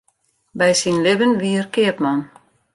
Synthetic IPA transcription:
bɛjsinlɪbənʋiərkɪəpmɔn

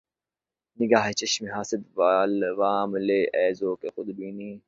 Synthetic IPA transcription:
nɪɡaːɦet͡ʃɐʃmiɦaːsɪd̪ʋaːlʋaːmleːʔɛːzoːkexʊd̪biːniː

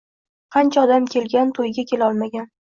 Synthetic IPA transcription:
qʰɑnt͡ʃʰaɒd̪amkʲʰe̞lɡʲant̪ʰojɡʲakʲe̞laɒlˠmaɡʲan

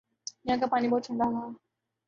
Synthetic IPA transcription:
jɐɦãk̬apaːnibɔːt̪̚t͡ʃʰə̃ɳɖala

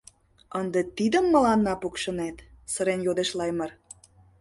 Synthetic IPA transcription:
ənd̪et̪id̪ə̆mːə̆lɑnːɑpukʃə̆net̪səɾenjod̪eʃlɑjmə̆r

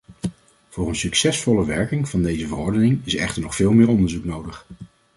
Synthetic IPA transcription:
v̥ʊːɹənsyksɛsfɔləʋɛɹkɪŋv̥ɑndejzəvərɔɹdənɪŋɪsɛ̰χtəɹnɔχfɪːlˠmɪːɹɔndəɹzuknowdəχ

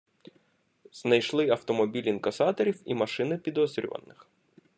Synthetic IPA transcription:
z̥nɐjʃlˠɪɐwt̪ɔmɔbʲilʲinkɐsɑt̪ɔɾʲiwḭmɐʃɪnɪpʲid̪ɔzʲɾʲʊ̰ʋɐ̰nːɪx

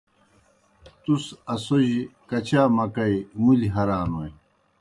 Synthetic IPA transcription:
t̪usɐsoʑikɐt͡ɕaːmɐkɐjmuliɦɐɾaːnwoj

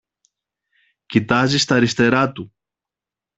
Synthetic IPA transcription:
cit̪ɐzist̪ɐɾist̪e̞ɾɐt̪u

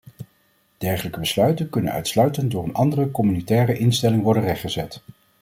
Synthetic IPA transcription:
d̥ɛɹχələkəbəslœɥtənkɵnə̰nœ̰ɥtslœɥtənt̚dʊːɹənʔɑndərəkɔmynitɛːrəʔɪnstɛlɪŋʋɔɹdənrɛχχəzɛt

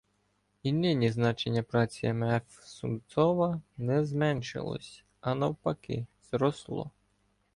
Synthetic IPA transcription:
inɪnʲiznɑt͡ʃenʲːɐpɾɑt͡sʲiɛmɛf | sʊmt̪sɔʋɐnɛzmɛnʃɪ̰lˠɔ̰sʲ | ɐnɐwpɐkɪ̰z̥ɾɔslˠɔ̰

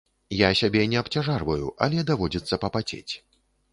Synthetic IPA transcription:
jasʲabʲɛnʲɛɐpt͡sʲaʐarvɐjuʔa̰lʲɛd̪avɔd͡zʲit̪sːɐpɐpat͡sʲḛt͡sʲ

